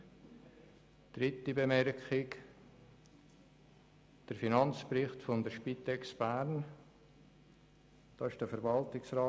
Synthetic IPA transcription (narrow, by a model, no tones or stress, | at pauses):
d̥ɾɪtibemɛrkχɪk | d̥əɾfinɑnt͡sprɪχtfondəɾʃpitɛksb̥æːɾn | d̥ɑːɪʃd̥əfəɾvɑltɪksrɑː